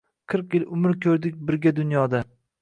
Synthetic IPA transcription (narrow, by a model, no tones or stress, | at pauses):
qʰɨɾqjɪlʊmɪɾkʲʰɵɾd̪ɪk̚ʲbɪɾɡʲad̪ʊnjɒd̪a